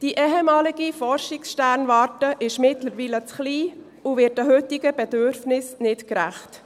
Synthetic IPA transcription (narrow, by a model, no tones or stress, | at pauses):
d̥iʔɛɦɛmɑːlɪɡifɔɾʃɪksʃtæɾnʋɑːɾtəʔɪʃmɪtləɾʋiːlət͡sχliː | uʋɪːtəɦʏtɪɡəb̥ɛdøɾfnɪsnɪtkɾæχt